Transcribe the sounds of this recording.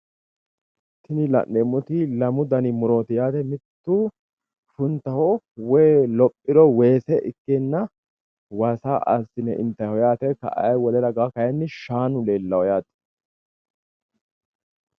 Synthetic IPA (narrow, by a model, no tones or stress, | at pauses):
t̪ɪnɪlɐ̰nːeːmːʊt̪ɪlɐmʊd̪ɐnɪmʊɾo̞ːt̪ɪjaːt̪ɛmɪt̪ːu | fʊnt̪ːɐhɔ | wɛːlɔpʼːɪd̪ɔweːsɛʔɪkːenːɐ | wasaɐ̰sɪnɛʔɪ̰nt̪ːɐjhɔjaːt̪ɛkɐ̰ʔɐ̰jwɔlɛɾɐɡakɐjɛnːɪʃaːnʊleːlːɐwɔjaːt̪ɛ̥